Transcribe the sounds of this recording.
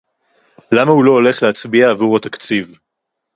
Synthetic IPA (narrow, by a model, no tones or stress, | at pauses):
lamahulo̞ːle̞χleat͡sbiaːvuʁat̪akt͡siv